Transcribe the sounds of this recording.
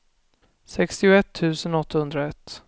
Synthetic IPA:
sɛkst̪ɪʊɛt̪ʰːʉ̟ːsənɔt̪ːahɵnd̪ɾaɛt̪ː

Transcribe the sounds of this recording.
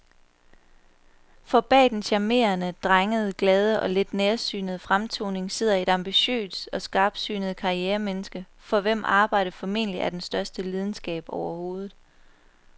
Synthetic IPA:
fɒ̽b̥ɛ̰ːd̥enɕæme̝̰ːɐnəd̥ʁaŋəð̞̩ˠɡ̥lɛːð̞ˠəʔɒ̽led̥neːɐsy̰ːnəð̞̩ˠfʁamt͡sʰo̝̰ːne̝ŋse̝ð̞̰ˠɐe̝d̥ɑ̈mb̥iɕø̰ːsɒ̽sɡ̥ɑ̈ːb̥syːnəð̞̩ˠkʰɑ̈ʁieːɐmenəsɡ̥ə | fɒ̽ʋem̰ʔɑ̈ːb̥ɑ̈ɪ̰d̥əfɒ̽me̝̰nəliʔæɐd̥ensd̥ɶɐsd̥əlið̞ˠn̩sɡ̥ɛ̰ːb̥ɒʊɐho̝ːð̞ˠð̩ˠ

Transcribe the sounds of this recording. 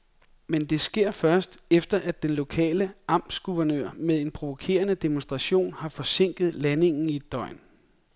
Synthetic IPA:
mend̥e̝sɡ̥e̝ɐ̰fɶɐsd̥efd̥ɐʔæd̥enlo̝kʰɛ̰ːləʔɑ̈m̰̥sɡ̥uʋɐnøɐ̰meðˠe̝npʰʁo̝ʋo̝kʰe̝̰ːɐnəd̥e̝monsd̥ʁɑ̈ɕo̝̰ːnhɑ̈fɒ̽se̝ŋ̰ɡ̥ð̞̩ˠlæne̝ŋn̩id̥ɒ̽ɪ̰n

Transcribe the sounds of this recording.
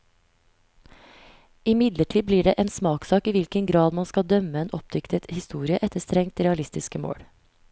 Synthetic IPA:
ɪmɪd̪ləʈʰiːbliːɖeːʔeːnsmɑːksɑːkiːʋɪlkəŋɡɾɑːd̪mɑnskɑd̪œməeːnʔɔp̚d̪ʏkt̪ət̪hɪst̪uːɾɪəʔɛt̪əst̪ɾɛŋt̪ɾɛɑlɪst̪ɪskəmo̰ːɽ

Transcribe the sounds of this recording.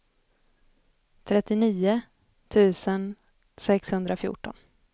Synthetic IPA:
t̪ʰɾɛt̪ːɪniːʊ | t̪ʰʉ̟ːsən | sɛkshɵnd̪ɾafjṵːʈɔn

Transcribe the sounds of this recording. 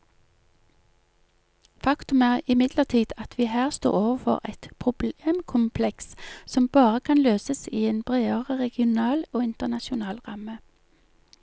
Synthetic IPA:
fɑkt̪ʉmæːʁɪmɪd̪ləʁt̪ʰiːd̪ɑt̪ʰʋiːhæːʁst̪o̰ːʁoːʋəfɔ̰ʁɛt̪pʰʁʊbleːmkʰʊmpʰlɛkssɔmbɑːʁəkʰɑnløːsəsiːeːnbʁeːəʁəʁɛɡɪʊnɑːloːɪnt̪ənɑʃʊnɑːlʁɑmə

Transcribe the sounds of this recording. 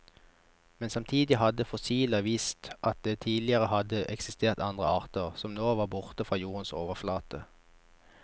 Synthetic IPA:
mɛnsɑmt̪ʰiːd̪ɪhɑd̪əfɔsiːləʋiːst̪ʔɑt̪̚d̪eːt̪ʰiːdlɪəʁəhɑd̪əʔɛksɪst̪ʰeːʁt̪ɑnd̪ʁəɑːʁt̪əʁsɔmnoːʋɑːbʊʁt̪əfʁɑːjuːʁənso̰ːʋəʁflɑːt̪ə

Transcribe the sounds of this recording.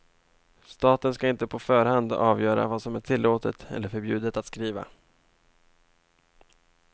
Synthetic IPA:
st̪ɑːt̪ənskaɪnt̪əpʰɔfœːɾhand̪ɑːvjœːɾa̰vaːsɔmæʈʰɪlːoːt̪ət̪ɛ̰lːəɾfœɾbjʉ̟ːd̪ət̪at̪skɾiːva̰

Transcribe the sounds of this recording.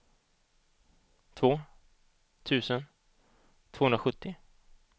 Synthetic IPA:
t̪ʰvoː | t̪ʰʉ̟ːsən | t̪ʰv̥oːhɵnɾaɧɵt̪ːɪ

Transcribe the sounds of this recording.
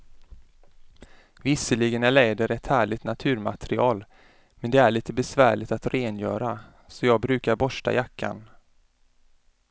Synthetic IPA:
vɪsəlɪɡənæɭeːd̪əɾɛt̪hæːɭɪt̪nat̪ʰʉ̟ːɾma̰t̪ʰɾɪɑːl | mɛnd̪ɛæɭiːt̪əbɛsvæːɭɪt̪at̪ɾeːnjœːɾa | sɔjɑːɡ̚bɾʉ̟ːkaɾbɔʂʈa̰jakʰːa̰n

